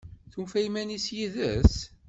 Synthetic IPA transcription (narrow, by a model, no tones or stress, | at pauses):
θufæjmænisjiðə̰s